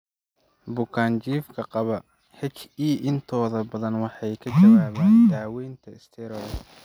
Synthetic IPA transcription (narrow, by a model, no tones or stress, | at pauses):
bʊkʰaːnt͡ʃiːfkʰɐqɑβɐ | hɛt͡ʃiːʔɪnt̪ʰɔːðɐbɐðɐnwɑħɑjkʰɐd͡ʒɐwaːβaːnd̪aːwɛjnt̪ʰɐɪst̪ʰɛɾɔːl